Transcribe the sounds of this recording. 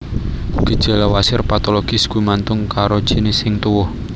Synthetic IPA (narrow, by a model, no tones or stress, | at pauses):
ɡ̥i̤d̥ʒ̥a̤lawasɪrpat̪oloɡ̥ɪ̤sɡ̥uimant̪ʊŋkaɾod̥ʒ̥inɪsɪŋt̪uwɔh